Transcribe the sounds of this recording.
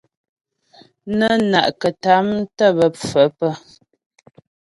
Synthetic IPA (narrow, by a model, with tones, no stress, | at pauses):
nə˦na̰˨ʔkə˨ta˨˦mtə˦˨bə˨p͡fə˨˦pə˦